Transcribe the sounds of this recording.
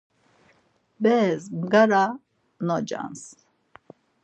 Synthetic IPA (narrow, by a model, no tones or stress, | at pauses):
bɛːzmɡaɾa | nɔd͡ʒa̰ns